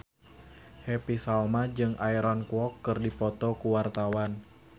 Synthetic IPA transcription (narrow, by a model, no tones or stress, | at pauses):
hɛpisalmad͡ʒɨŋʔaiɾɔnkuɔkːɨrdipɔt̪ɔkuwart̪awan